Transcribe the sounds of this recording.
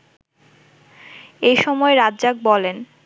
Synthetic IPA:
ejʃɔmɔeɾad̪ːd͡ʑak̚bɔlen

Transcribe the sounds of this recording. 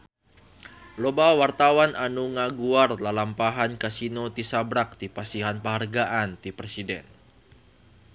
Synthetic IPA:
lobawart̪awanʔanuŋaɡuarlalampaɦankasinot̪isabɾak̚dipasiɦanpaɦarɡaʔant̪ipɾɛsidɛ̰n

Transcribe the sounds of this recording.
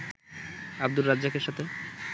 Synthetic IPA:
ab̚d̪ulɾad͡ʑd͡ʑakeɾʃat̪ʰe

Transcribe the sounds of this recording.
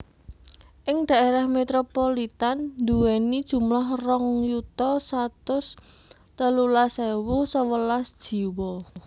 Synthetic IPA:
ʔɪŋd̪̥ä̤ʔeɾahmet̪ɾopolit̪and̪ṳwenid̥ʒ̥ṳmlaɦrɔŋjut̪ɔsat̪ʊs | t̪əlulasewusəwəlasd̥ʒ̥i̤wɔ

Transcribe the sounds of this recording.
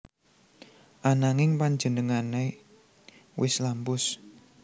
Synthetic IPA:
ʔanaŋɪŋpaɲd͡ʒə̤nəŋane | wʔɪslampʊs

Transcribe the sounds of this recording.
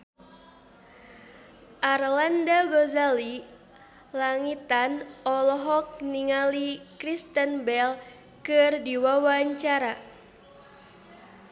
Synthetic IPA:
ʔarlandaɡɔzali | laŋit̪anɔlɔɦɔk̚niŋalikɾist̪ənbɛl | kɨrdiwawaɲt͡ʃaɾa

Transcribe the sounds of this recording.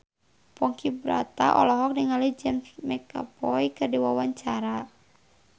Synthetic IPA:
pɔŋkibɾa̰t̪a̰ʔɔ̰lɔɦɔk̚diŋalid͡ʒɛnmɛka̰pɔikərdiwawaɲt͡ʃaɾa

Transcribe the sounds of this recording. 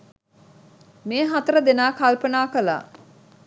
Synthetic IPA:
meːɦat̪əɾəd̪enaːkalpənaːkəla̰ː

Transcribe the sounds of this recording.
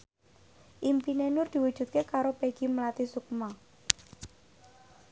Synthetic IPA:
ʔimpinenʊrd̪̥i̤wud̥ʒ̥ṳt̪̚kekaɾopeɡ̥i̤məlat̪isuk̚ma

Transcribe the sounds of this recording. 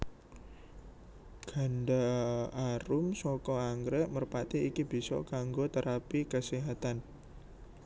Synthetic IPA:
ɡ̥a̤nɖaaɾʊmsɔkɔaŋɡɾɛʔmərpat̪iikib̥i̤sɔ̰kaŋɡot̪əɾʔapikəsiɦat̪an

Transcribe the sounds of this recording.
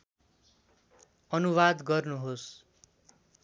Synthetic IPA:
ʌnuwad̪ɡʌrnuɦos

